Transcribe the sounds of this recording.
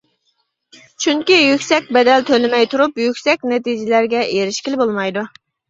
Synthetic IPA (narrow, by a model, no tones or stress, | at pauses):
t͡ʃʰyŋkʲijykʲsɛk̚ʲbɛd̪ɛlt̪ʰølɪmɛjt̪ʰuɾupjykʲsɛk̚ʲnɛt̪id͡ʒɪlæɾɡʲɛʔeɾɪʃkʲilɪbolˠmɑjd̪u